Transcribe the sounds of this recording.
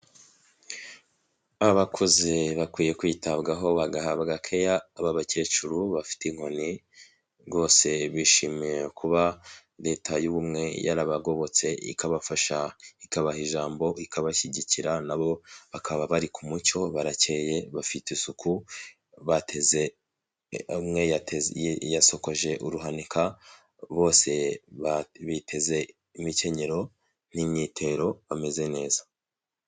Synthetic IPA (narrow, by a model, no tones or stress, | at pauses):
aβakʰozeβakwiːje̞kwiːtabɡaɦo̞βaɡahabɡakʰe̞jaːβaβace̞ːt͡ʃuɾuβafi̥tiŋ̥ho̞ni | ɡo̞ːse̞βiʃimijekʰuβaɾe̞ːtʰajuβumŋe̞ja̰ɾaβaɡo̞βo̞t͡se̞ʔḭkaβafaʃaikaβahiʒaːmbo̞ikaβaçiɟiciɾanaβo̞βakʰaβaβaɾikʰumut͡ʃo̞βaɾat͡ʃe̞ːje̞βafitesuku | βateze | mŋe̞jtjaso̞ko̞ʒe̞ʔuɾuɦanikʰa | βo̞ːse̞βaβitʰe̞ze̞ | imice̞ɲe̞ɾo̞ | nimɲitʰe̞ɾo̞βame̞ze̞ne̞ːza